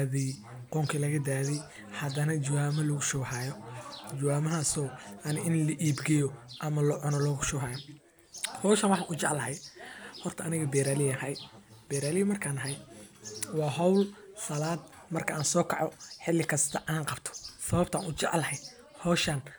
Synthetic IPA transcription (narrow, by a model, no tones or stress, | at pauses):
ðɛj | qɔːŋkʰilɐɣɐd̪aːðɛj | hɐd̪ɐnɐd͡ʒɐwaːmɐlɐɣʊʃʊɣhaːjɔd͡ʒɐwaːmɐɦaːsɔːʔɐnɪʔɪnlɐʔiːbɡɛjɔʔɐmɐlɔʕʊnɔlɔːɣʊʃʊaːjɔ | hɔːʃɐːnwɑħɑːnʊt͡ʃɛʕlɐhɛjhɔrt̪ʰɐʔɐnɪɣɐbɛːɾaːlɪjɐhɐjb̥ɛːɾaːlɪjmɐrkʰaːnɐɦɐj | wɑːɦɐwlsɐlaːd̪ | mɐrkʰɐʔaːnsɔːkʰɑʕɔħɪlːɪkʰɐst̪ʰɐʔaːnqɑbt̪ʰɔ̥sɐβɐbt̪ʰa̰ːnʔʊt͡ʃɛʕlɐhɛj | hɔːʃɐn